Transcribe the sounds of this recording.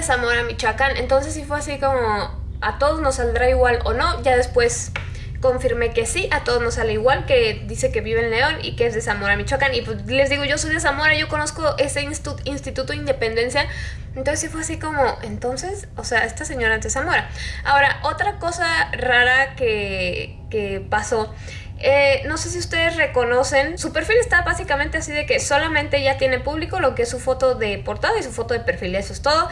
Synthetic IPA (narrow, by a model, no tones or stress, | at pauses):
esamo̞ɾamit͡ʃakanḛ̃nt̪o̞ns̬esːifweasiko̞mo | at̪o̞ðo̞zno̞sːald̪ɾaiɣwalo̰no̞ʝaðe̞spwe̞s | ko̞ɱfiɾme̞ke̞siʔat̪o̞ð̞oznosaleiɣwalke̞ðise̞ke̞βiβelneõ̞nḭkeezðesamo̞ɾamit͡ʃakaniple̞zðiɣo̞ʝo̞so̞jðes̬amo̞ɾaʝo̞ko̞no̞skoʔe̞sesinst̪it̪ut̪oind̪epe̞nd̪e̞nsja | ent̪onsesifweas̬iko̞mo̞ʔe̞nt̪o̞nse̞s | oseae̞st̪aseɲo̞ɾat̪esamo̞ɾaao̞ɾaʔo̞t̪ɾako̞saraɾake | kepaso̞ | eno̞se̞s̬iust̪e̞ðe̞sre̞ko̞no̞se̞nsupe̞ɾfile̞st̪aβasikamẽnt̪easiðe̞ke̞so̞lamẽnt̪eʝat̪je̞ne̞puβliko̞lo̞keesːufo̞t̪o̞ðe̞po̞ɾt̪aðoisufo̞t̪o̞ðepe̞ɾfile̞soest̪o̞ðo